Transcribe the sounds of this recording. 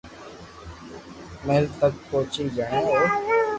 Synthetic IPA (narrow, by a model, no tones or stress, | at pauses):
meːlt̪ək̚poːt͡ʃiːd͡ʒaːĩːɦoː